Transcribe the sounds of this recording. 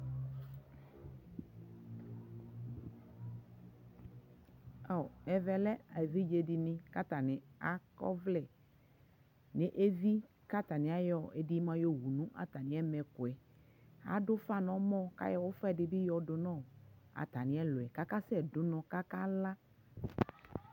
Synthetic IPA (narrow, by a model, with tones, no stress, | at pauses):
ɔ˨ɛ˨vɛ˨lɛ˦a˨vi˦d͡ʒe˨ɖi˨nĩ˨ka˦t̪a˨nɪ̃˨a˨kɔ̰˦vlɛ˦˨ | ne˨ʔe˦vi˦ | ka˦t̪a˨nĩ˨a˦jɔ˦e˦di˦mã˦jo˦wu˨nũ˦ʔa̰˨t̪a˨nĩ˨˦ɛ˦mɛ̃˨ko˨ɛ˨ | a̰˨˦ɖo˦fa˦˨nɔ̃˨˦mɔ̃˦ka̰˦jɔ˦wo˦fɛ˨ɖɪ˨bi˦jɔ˨ɖo˨nɔ̃˦˨a̰˨t̪a˨nĩ˨˦ɛ˦lo˨ɛ˨ka˦ka˦sɛ˦˨dʊ˨nɔ̃˨ka˦ka˦la˦